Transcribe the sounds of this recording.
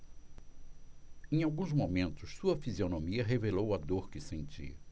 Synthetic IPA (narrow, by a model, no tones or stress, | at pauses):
ẽj̃awɡũzmomẽnt̪ʊssuɐfizionõmiɐɦevelowad̪oɾkɪsẽnt͡ʃḭ